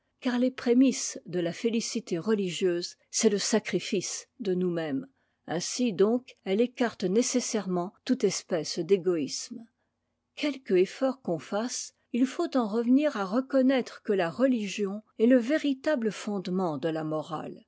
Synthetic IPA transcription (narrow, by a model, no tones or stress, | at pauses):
kaʁlepχemisd̪əlafelisit̪eʁəliʒjøːz | sɛləsakχifisd̪ənumɛm | ɛ̃sid̪ɔ̃kɛlekaʁt̪nesesɛʁmɑ̃t̪ut̪ɛspɛsd̪eɡɔism | kʰʲɛlkefɔʁkɔ̃fas | ilfot̪ɑ̃ʁəvniʁaʁəkɔnɛt̪χəkəlaʁəliʒjɔ̃ɛləveʁit̪abləfɔ̃d̪mɑ̃d̪əlamɔʁa̰l